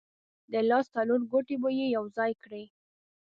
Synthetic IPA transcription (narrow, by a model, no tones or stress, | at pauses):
d̪əlɑst̪aloɾɡoʈebəjejawzɑjkɽe